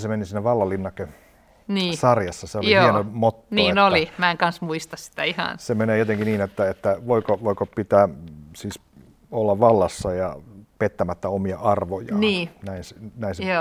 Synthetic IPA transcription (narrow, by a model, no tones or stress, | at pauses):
semenisinːeʋɑlːɑlːinːɑkːe | niːsɑrjɑsːɑseolijohienomot̪ːnːoiːnolːimæeŋkɑnsmuist̪ɑssi̥t̪æihɑ̰nsemeneːjot̪eŋkiniːnet̪ːæet̪ːæʋoikoʋoikopit̪æːsiːs | olːɑʋʋɑlːɑsːɑjɑpet̪ːæmæt̪ːæomiɑʔɑrʋojɑniːnæinsinæinsoː